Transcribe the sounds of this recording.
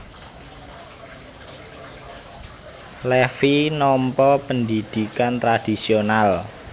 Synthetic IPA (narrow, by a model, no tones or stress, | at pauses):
lɛfinɔmpɔpənd̪id̪̥i̤kant̪ɾad̥i̤sional